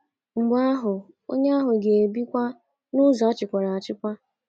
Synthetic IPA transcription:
ŋ͡m̩˨ɡ͡ba˦a˦ɦʊ˨ | o̰˦ɲe˦a˦ɦʊ˨ɡe˨bi˦kʷa˦ | nʊ˦zɔ˨a˦t͡ʃɪ˨kʷa˨ɾa˨a˨t͡ʃɪ˦kʷa˦

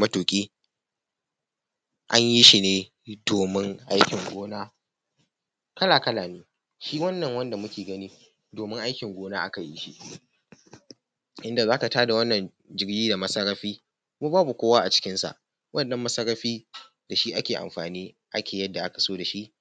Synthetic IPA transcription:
mɐ˦toː˨kʲʼiː˦ | ʔa˦ɲji˦ʃi˨neː˦ | d̥oː˨mɪ˦ŋʔa˦jkʲɪ˨ŋɡʷoː˦naː˦ | kɐ˦laː˨kɐ˦laː˨neː˦ | ʃiː˦wɐ˦nːɐ˨ŋwɐ˦nda˨mʊ˦kʲeː˨ɡɐ˦niː˦ | doː˨mɪ˦ŋʔa˦jkʲɪ˨ŋɡʷoː˦naː˦ʔa˦ka˨ji˦ʃḭ˦ʔ | ʔɪ˦nda˨zaː˦ka˨taː˦da˨wɐ˦nːɐ˨n | d͡ʒɪ˦ɽɡʲiː˦da˨mɐ˦sɐ˦ɾːɐ˦ɸiː˦ | mu˦baː˦bu˨kʷoː˦waː˦ʔa˨t͡ʃɪ̥˦kʲɪ˦nsa̰˨ʔ | wɐ˦nɗɐ˦mːɐ˦sɐ˦ɾːɐ˦ɸiː˦ | da˨ʃi˦ʔa˦kʲeː˨ʔa̰˨mɸaː˨niː˦ʔa˦kʲʰeː˨jɐ˦dːa˨ʔa˦kḁ˨soː˦da˨ʃi˦ʔ

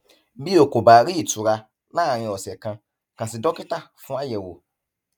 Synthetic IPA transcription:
bi˦o˨ko˨ba˨ɾi˦i˨tu˨ɾa˧ | nã˦˨ɾ̃ĩ˨ɔ˨sɛ˨kã˦ | kã˨si˨dɔ˦ki˦ta˦fũ˦a˦jɛ˨wo̰˨

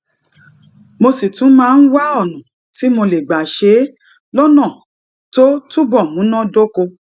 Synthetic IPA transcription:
mo˧si˨tũ˨˦mãː˦n̩˦wa˦ɔ˦˨nũ˨ | ti˨˦mo˧le˨ɡ͡ba˨ʃe˨˦ | lɔ˦nã˦˨ | to˦tu˦bɔ˦˨mũ˨˦nã˦do˦ko˧

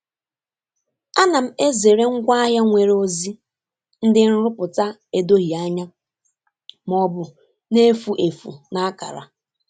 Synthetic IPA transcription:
a˦na˨m̩˦e˦ze˨ɾe˦ŋ̩˦ɡʷa˦a˦ɦja˦ŋʷe˨ɾo˦zi˦ | n̩˦dɪ˦n̩˦ɾʊ˦pʊ˨ta˦e˨do˦ɦi˨a˦ɲa˦ | m˨ɔ˨bʊ˨ | ne˦fu˨ʔe˨fṵ˨na˨a˦ka̰˨ɾa̰˨

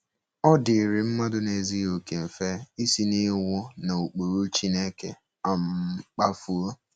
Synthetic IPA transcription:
ɔ˦dɪ˨ɾi˨m̩˦ma˦dʊ˦ne˨zi˦o˨ke˨m̩˨fe˦i˦si˦ni˦wʷʊ˦na˨u˨k͡po˨ɾu˦t͡ʃi˦ne˦ke˨ | a˨m̩˨˦k͡pa˦fu˦o˦

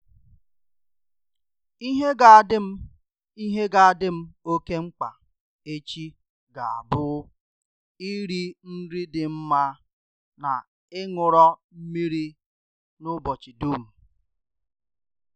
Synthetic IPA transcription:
i˦ɦe˦ɡa˨˦dɪ˦m̩˦ | i˦ɦe˦ɡa˨a˨dɪ˦m̩˦o˦ke˦ŋ͡m̩˦k͡pa̰˨ | e˦t͡ʃi˦ | ɡa˨a̰˨bʊ˦ | i˦ɾi˦n̩˦ɾi˦dɪ˨m̩˦ma˦ | na˨ | ɪ˦ŋʊ˨ɾɔ˦m̩˦mi˦ɾi˦ | nʊ˦bɔ˨t͡ʃi˨du˦˨m̩˨

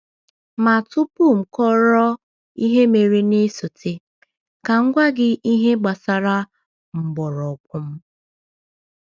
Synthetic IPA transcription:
ma˨tʊ˦pu˦˨m̩˨kɔ˦ɾɔ˦ | i˦ɦe˦me˨ɾe˦nɪ˦sʊ˨tʰɪ˦ | ka˨ŋ̩˦ɡʷa˦ɡɪ˦i˦ɦe˦ɡ͡ba˨sa˨ɾa˦ | m̩˨bɔ˨ɾɔ˨kʷʊ˦m̩˦

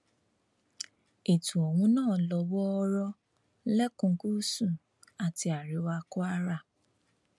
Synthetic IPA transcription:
e˨tu˨o˨ŋʷʊ˦nɔː˦˨lɔ˨wɔ˦ɔ˦ɾɔ˦ | lɛ˦kʊ˨ŋ̩˨ku˦su˨ | a˨tɪ˨a˨ɾɪ˦wa˦kʊ˦a˦ɾa˦˨

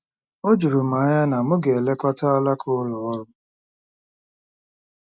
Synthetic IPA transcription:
o˦d͡ʒu˨ɾu˨ma˨˦ɲa˦na˨mʊ˦ɡe˨e˨le˦kʷa˦ta˦a˦la˦kʰʊ˦lɔ˨ɔ˦ɾʊ˦

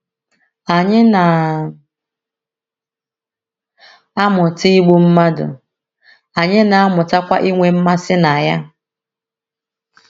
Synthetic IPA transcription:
a˨ɲɪ˦na˨ | a˦mʊ˨ti˦i˦ɡ͡bu˦m̩˦ma˦dʊ̰˨ | a˨ɲɪ˦na˨a˦mʊ˨ta˦kʷa˦ʔi˦ŋʷe˦m̩˦ma˦sɪ˦na˨ja˦

